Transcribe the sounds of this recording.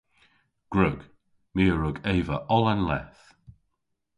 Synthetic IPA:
ɡ̥ɹʊɡ̥ | miːəɹʊɡeːvəʔɔlənlɛθ

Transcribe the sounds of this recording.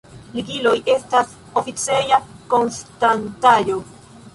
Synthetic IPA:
liɡilo̞je̞stas | o̞fit͡sejako̞nstantajo̞

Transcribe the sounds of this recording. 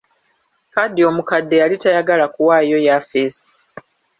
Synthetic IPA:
kadːio̞mukadːe̞jalitajaɡalakuwajo̞jafesi̥

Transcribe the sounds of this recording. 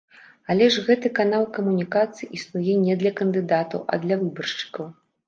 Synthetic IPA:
alʲɛʐɣɛt̪ɨkanalˠkɐmunʲikat̪sɨjiʔisnujɛnʲɛd̪lʲɐkɐnd̪ɨd̪at̪ɐ̰wʔɐ̰d̪lʲɐvɨbɐrʂt͡ʃɨ̥kɐw

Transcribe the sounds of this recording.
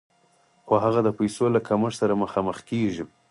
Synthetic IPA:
xoɦaɣad̪əpajsolakaməʐsaɾaməxɑməxkeʒi

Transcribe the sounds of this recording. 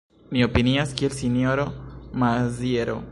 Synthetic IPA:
mio̞piniaskie̞lsino̞ɾo̞mazieɾo̞̰

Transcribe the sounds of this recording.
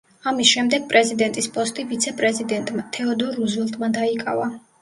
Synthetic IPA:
amisʃɛmd̪ɛɡ̥̚pʼɾɛzid̪ɛnt̪ʼispʼɔst̪ʼivit̪sʰɛpʼɾɛzid̪ɛnt̪ʼmat̪ʰɛɔd̪ɔɾuzvɛlˠt̪ʼmad̪aikʼa̰va

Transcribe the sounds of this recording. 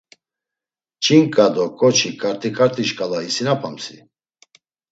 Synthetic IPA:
t͡ʃʰʼiŋkʼad̪ɔkʼɔt͡ʃʰikʼaɾt̪ʼikʼaɾt̪ʼiʃkʼalaisinapʰamsḭ

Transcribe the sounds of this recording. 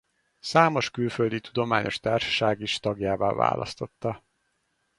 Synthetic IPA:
saːmo̞ʃkylføld̪it̪ud̪o̞maːɲo̞ʃt̪aːrʃɒ̥ʃaːɡiʃt̪ɒɡjaːva̰ːva̰ːlʔɒ̰st̪o̞t̪ːɒ

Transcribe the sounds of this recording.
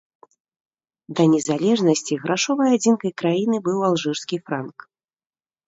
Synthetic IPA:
d̪ɐnʲɛzalʲɛʐnɐsʲt͡sʲiɣɾaʂɔvɐjad͡zʲinkɐjkɾajinɨbɨwalˠʐɨrskʲifɾank

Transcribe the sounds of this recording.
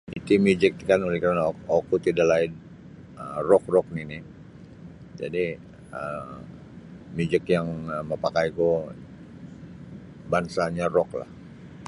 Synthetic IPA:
it̪imud͡ʒɪk̚kanulikaɾanaokut̪idalaɪd | ərɔk̚rɔk̚nini | d͡ʒa̰di | ə | mjud͡ʒɪkjaŋəməpakajko | bansaɲarɔkla̰h

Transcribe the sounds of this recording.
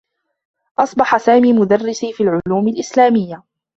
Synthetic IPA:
ʔɑsˤbɑħasaːmiːmʊd̪arːɪsiːfiːlʕʊluːmɪlʔɪslaːmɪjːa

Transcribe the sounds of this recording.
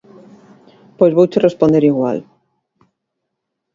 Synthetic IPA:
pojzβowt͡ʃerespond̪eɾiɣwa̰l

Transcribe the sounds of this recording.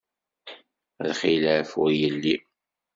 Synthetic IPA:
ðχiləfʊɾjəlːi

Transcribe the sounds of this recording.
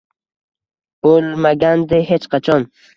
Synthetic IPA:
ulmaɡand̪eɦet͡ʃqat͡ʃɔn

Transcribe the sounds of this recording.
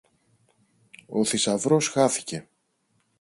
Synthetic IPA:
o̞θisɐvɾo̞sxɐθi̥ce̞

